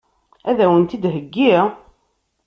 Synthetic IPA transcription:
æðæwənt̪id̪ɦəɡːiʁ

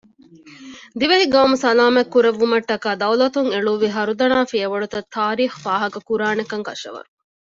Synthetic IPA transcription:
d̪iʋɐɦiɡɐʋɐmusɐlaːmekːuɾeʋːumɐʈːɐkaːd̪ɐwlɐt̪uŋeɭuːʋiɦɐɾud̪ɐnaːfiɐʋɐɭut̪ɐt̪ʰːaːɾiːxfaːɦɐkɐkuɾaːnekɐŋkɐʃɐ̰ʋɐ̰ɾu

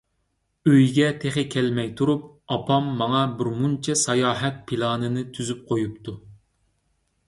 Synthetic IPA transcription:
øjɡʲɛt̪ʰeχɪkʲʰɛlmɛjt̪ʰuɾup̚ | ɑpʰɑmːɑŋɑbɪɾmunt͡ʃʰɛsɑjɑːɦɛt̪̚pʰilˠɑːnɨnɨt̪ʰyzyp̚qʰojup̚t̪ʰu

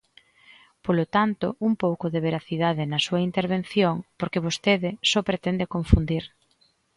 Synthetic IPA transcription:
polot̪ant̪ʊumpowkʊðeβeɾaθiðaðɪnɐsuɐint̪eɾβ̞en̟θjoŋpoɾkeβost̪eðɪsɔpɾet̪ɛnd̪ekoɱfund̪iɾ

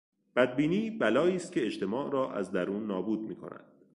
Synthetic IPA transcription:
b̥æd̪̚biːniːbælɒːiːst̪̚cʰe̞eʃt̪ʰe̞mɒːʔɾɒːʔæ̰zd̪æɾuːnːɒːbuːd̪̚miːkʰo̞̰næ̰nd̪̥

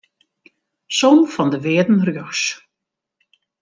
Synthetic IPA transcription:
sɔnfɔndəʋɪːdn̩rjɔs

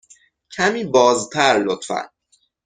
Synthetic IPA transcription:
cʰæmiːbɒːzt̪ʰæɾlot̪fæ̰n

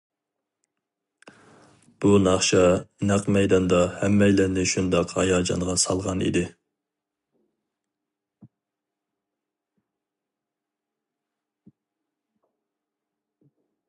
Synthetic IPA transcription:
b̥unɑχʃɑnɑqmɛjd̪ɑnd̪ɑhɛmːɛjlænɪʃund̪ɑqhɑjɑːd͡ʒɑ̰nʁɑsɑlˠʁɑnʔḭd̪ɪ

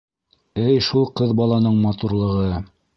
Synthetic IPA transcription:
ɘjʃulˠqɤðbɑlˠɑnɤɴmɑt̪uɾlˠɤ̆ʁɤ

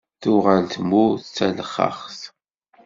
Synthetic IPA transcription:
θʊʁalt̪muθt͡sːæləχːə̰χθ

